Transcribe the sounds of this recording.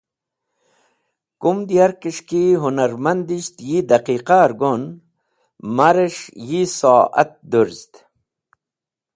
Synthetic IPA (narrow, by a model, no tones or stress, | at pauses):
kumd̪ijaɾkiʂkiɦunaɾmand̪iɕt̪jid̪aqiqaɾɡon | maɾeʂjisoːʔɐ̰t̪̚d̪uɾzt̪